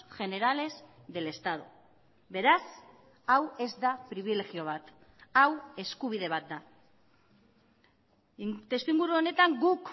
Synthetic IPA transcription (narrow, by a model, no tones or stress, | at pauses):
ʝe̞ne̞ɾale̞z | ðe̞le̞st̪að̞u | βe̞ɾas | awe̞zd̪apɾiβ̞ile̞ɣio̞β̞at̪ | awe̞skuβ̞ið̞e̞β̞at̪̚d̪a | t̪e̞st̪uiŋɡuɾuone̞t̪aŋɡuk